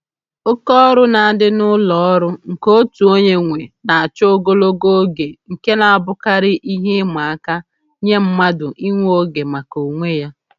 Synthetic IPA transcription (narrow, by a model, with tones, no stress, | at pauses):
o˦kɔ˦ɾʊ˦na˨a˨dɪ˦nʊ˦lɔ˨ɔ˦ɾʊ˦ŋ̩˨ko˦tu˨o˦ɲe˦ŋʷe˨na˨a˨t͡ʃɔ˦o˦ɡo˦lo˦ɡo˦ɡe˨ŋ̩˨ke˦na˨a˨bʊ˦ka˦ɾɪ˦ʔi˦ɦe˦ma˨a˦ka˦ | ɲe˦m̩˦ma˦dʊ˨ʔi˦ŋʷo˦ɡe˨ma˨ko˨ŋʷe˦ja˦